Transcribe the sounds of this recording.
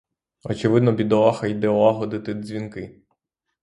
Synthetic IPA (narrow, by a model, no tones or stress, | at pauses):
ɔt͡ʃɪʋɪd̪nɔbʲid̪ɔaxɐjd̪ɛɔɑɦɔd̪ɪt̪ɪzʲʋʲinkɪ